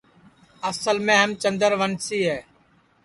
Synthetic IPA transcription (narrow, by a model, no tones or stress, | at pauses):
əsəlmẽːɦəmt͡ʃənd̪əɾʋənsiːɦɛː